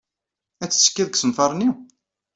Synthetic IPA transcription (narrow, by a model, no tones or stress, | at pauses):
æt͡sːskːæðksəmfɑɾˤni